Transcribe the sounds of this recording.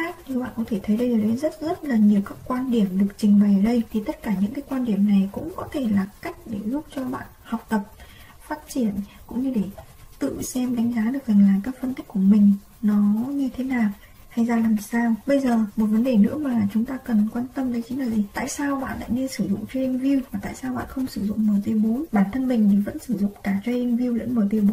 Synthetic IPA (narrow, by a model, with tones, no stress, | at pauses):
a˦˥n˧˩wɓa̰ː˧˨nkɔ˨˦t̪ʰe˧˩t̪ʰə˨˦jɗə˧jzəː˨˩ɗə˨˦zə˦˥t̚zə˦˥t̚laː˨˩ɲi˨˩əwkaː˦˥kkwaː˧nɗi˧˩əmɗɨ˨˩ək̚t͡ɕï˨˩ŋ̟ɓa˨˩jəː˨˩ɗə˧jt̪ʰi˨˩t̪ə˦˥t̚kaː˧˩ɲɨ̰˧˥ŋkaː˨˦jkwaː˧nɗi˧˩əmna˨˩jkʊ̰˧˥ŋ͡mkɔ˨˦t̪ʰe˧˩laː˨˩ka˦˥jk̟̚ɗe˧˩zʊ˦˥k͡p̚t͡ɕɔ˧ɓa̰ː˧˨nha˨˩wk͡p̚t̪ə˨˩p̚ | faː˦˥t̚t͡ɕi˧˩ənkʊ̰˧˥ŋ͡mɲɨ˧ɗe˧˩ | t̪ɨ̰˧˨sɛ˧mɗa˨˦ŋzaː˨˦ɗɨ˨˩ək̚zə˨˩nlaː˨˩kaː˦˥k̚fə˧nt̪i˦˥k̟kːu˧˩əmï˨˩ŋ̟ | nɔ˨˦ɲɨ˧t̪ʰe˨˦naː˨˩w | ha˧jzaː˧laː˨˩msaː˧wɓə˧jzəː˨˩mo˨˩t̚və˨˦nɗe˨˩nɨ̰˧˥əmaː˨˩t͡ɕʊ˨˦ŋ͡mt̪aː˧kə˨˩nkwaː˧nt̪ə˧mə˨˦t͡ɕi˨˦ŋlaː˨˩ʔi˨˩t̪a̰ː˧˨jsaː˧wɓa̰ː˧˨nɗa̰ː˧˥ne˧nsɨ˧˩zʊ̰˧˨ŋ͡mt͡ɕwi˧nli˧ŋ̟vi˧əwvaː˨˩t̪a̰ː˧˨saː˧wɓa̰ː˧˨nxə˧wŋ͡msɨ˧˩zʊ̰˧˨ŋ͡mməː˨˩jt̪i˨˧əɓo˨˦nɓaː˧˩nt̪ʰə˧nmï˨˩ŋ̟t̪ʰi˨˩və̰˧˥nsɨ˧˩zʊ̰˧˨ŋ͡mkaː˧˩t͡ɕwɛ˧nli˧ŋ̟vi˧əwlə̰˧˥nməː˨˩t̪i˧ɓo˨˦n